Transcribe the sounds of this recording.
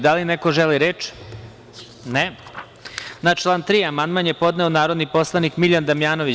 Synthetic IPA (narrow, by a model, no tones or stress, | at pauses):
d̪alineko̞ʒeliɾeːt͡ʃ | ne | nat͡ʃlˠaːnt̪ɾiamand̪manjepo̞d̪neonaːɾo̞d̪nipo̞slˠanikmiʎand̪amjaːnoʋi